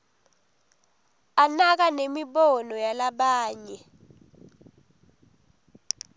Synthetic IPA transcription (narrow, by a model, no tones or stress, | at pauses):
anak̬anemiɓɔnɔjalaɓaːɲɛ